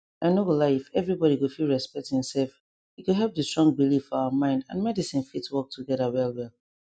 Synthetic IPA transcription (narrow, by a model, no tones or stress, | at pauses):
ʔaɪnowəlaɪifɛvɹibɔɾiɡofilˠɹɛspɛk̚thĩmsɛlf | iɡoɦɛlp̚dəstɹ̥ɔ̃ŋbilifaəmãɪ̃ndã̰nmɛdisĩnfitwɔk̚tʰuɡɛðəwɛlwɛlˠ